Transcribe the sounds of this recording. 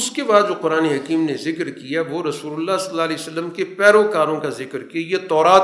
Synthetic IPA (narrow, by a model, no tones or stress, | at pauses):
ʊskebaːd̪d͡ʒoqʊɾaːneɦɐkiːmnezɪkɾkijaʋoɾɐsuːlʊlːasɐlːaːlɛiːsəlːəmkepɛːɾokaːɾõkazɪkəɾkiajet̪ɔːɾaːt̪